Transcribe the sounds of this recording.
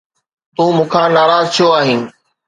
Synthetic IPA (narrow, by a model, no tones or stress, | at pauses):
t̪ũːmũːkʰãːnaːɾaːzt̪ʰijoaːɦinɪ̆